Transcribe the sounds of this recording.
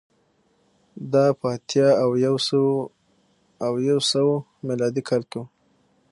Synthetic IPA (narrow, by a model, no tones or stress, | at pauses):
d̪ɑpɑt̪jɑawjaws | awjawsəwo | mɪlɑd̪ikʰɑlk̪o